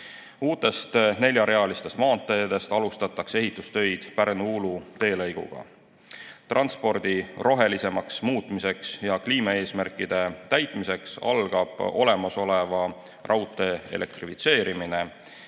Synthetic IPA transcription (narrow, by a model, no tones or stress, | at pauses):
uːt̪ːˑe̞st̪ne̞lʲjɑɾe̞ɑlist̪e̞st̪mɑːnt̪ːˑed̪̥e̞st̪ɑlust̪ɑt̪ːˑɑkse̞ɦit̪ːˑust̪ø̞jd̪̥pæɾnuulut̪e̞ːlɤjɡ̥ṵɡ̥ɑ̰ | t̪rʔɑnspo̞rd̪̥iro̞ɦe̞lise̞mɑksmuːt̪ˑmise̞ksjɑkliːmɑe̞ːsmærkid̪̥e̞t̪æjt̪ːˑmise̞ksɑ̰lɡ̥ɑb̥o̞̰le̞mɑso̞le̞vɑ | rʔɑwt̪ːˑe̞ḛlʔe̞̰k̚t̪rifit̪se̞ːɾimine̞